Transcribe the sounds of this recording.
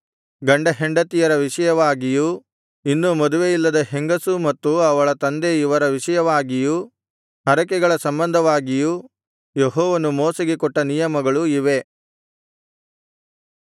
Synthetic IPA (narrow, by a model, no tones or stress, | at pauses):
ɡɐɳɖɐɦeɳɖɐt̪ijɐɾɐʋiʂɐjɐʋaːɡiju | inːumɔd̪uʋejilːɐd̪ɐɦeŋɡɐsumɐt̪ːuɐʋɐɭɐt̪ɐnd̪eiʋɐɾɐʋiʂɐjɐʋaːɡiju | ɦɐɾɐkɛɡɐɭɐsɐmbɐnd̪ʱɐʋaːɡiju | jeɦɔːʋɐnumoːsɐɡekɔʈːɐnijɐmɐɡɐɭuiʋe̞